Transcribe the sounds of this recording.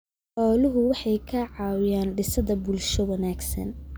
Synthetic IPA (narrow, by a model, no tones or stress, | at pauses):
ʔɔːlʊɦʊwɑħɑjkʰɐʕɑːwɪjaːnɖɪsɐðɐbʊlʃɔwɐnaːɡsɐ̰n